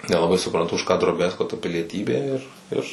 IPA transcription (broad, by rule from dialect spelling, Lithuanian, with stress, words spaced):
nʲɛlˠɐˈbɐɪ sʊprɐnˈtʊ ʊʃ kɑː droːˈbʲæːskoː tɐ pʲɪlʲiɛˈtʲiːbʲeː ɪr ˈɪr